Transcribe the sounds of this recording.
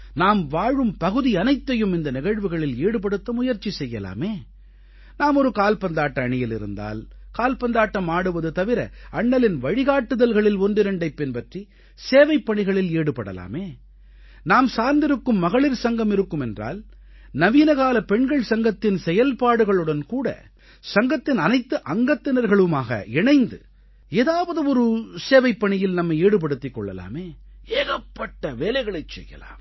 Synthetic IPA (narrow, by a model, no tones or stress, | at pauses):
naːmʋaːɻɯmpɐɣɯðiɐnɐɪt̪ːɐjɯmɪnd̪ɐnɪɣɐɻʋɯɣɐɭɪleːɽɯp̬ɐɽɯt̪ːɐmʊjɐɾt͡ʃːisɛjːɐla̰ːmeː | naːmɔɾɯkaːlpɐnd̪aːʈːɐːɳɪjɪlɪ̰ɾɯ̰nd̪a̰ːl | kaːlpɐnd̪aːʈːɐmaːɽɯʋɐðɯt̪ɐʋɪɾɐɐɳːɐlɪnʋɐɻɪɣaːʈːɯðɐlɣɐɭɪlɔndɪɾɐɳɖɐɪpːɪnpɐʈri | seːʋɐɪpːɐɳɪɣɐɭɪleːɽɯpːɐɽɐ̰la̰ːmeː | naːmsaːɾnd̪ɪɾɯkːɯmːɐɣɐɭɪɾsɐŋɡɐmɪɾɯkːɯmɛndra̰ːl | nɐʋiːnɐɣaːlɐpɛɳɡɐɭsɐŋɡɐt̪ːɪnsɛjɐlpaːɽɯɣɐɭɯɽɐnkuːɽɐ̰ | sɐŋɡɐt̪ːɪnɐnɐɪt̪ːɯʔɐŋɡɐt̪ːɪnɐɾɣɐɭɯmaːɣɐ̰ɛɳɐɪnd̪ɯ̰ | eːðaːʋɐðɯɔɾɯseːʋɐɪpːɐɳɪjɪlnɐmːɐɪeːɽɯp̬ɐɽɯt̪ːɪkːɔ̰ɭːɐ̰la̰ːmeː | eːɣɐpːɐʈːɐʋeːlɐɪɣɐɭɐɪt͡ʃːɛ̰jːɐ̰la̰ːm